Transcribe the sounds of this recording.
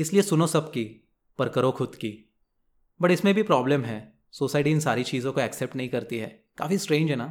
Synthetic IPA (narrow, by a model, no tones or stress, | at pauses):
ɪsliesʊnosɐbki | pɐɾkəɾokʰʊd̪kiː | bɐʈɪsmẽbʱipɾɔːbləmɦɛː | soːsaːɪʈiɪnsaːɾit͡ʃiːzõkoɛːkseːp̚ʈnɐɦĩkɐɾt̪iɦɛː | ka̰ːfisʈɾẽːnd͡ʒɦɛnaː